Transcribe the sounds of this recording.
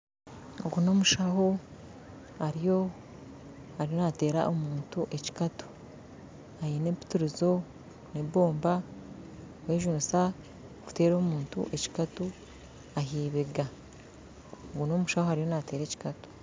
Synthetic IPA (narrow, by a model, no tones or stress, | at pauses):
oɡuno̞ːmuʃaho | haɾijo̞ | haɾijo̞nate̞ːɾa̰ʔomuːntuʔe̞ci̥katu̥ | ajinepi̥tuɾizo̞ | nebo̞ːmba | weːʒunusa | ku̥te̞ːɾo̞ːmuːntṵʔe̞ci̥katu | aɦiːβeɡa | oɡuno̞muʃahohaɾijo̞nate̞ːɾe̞ːci̥katu̥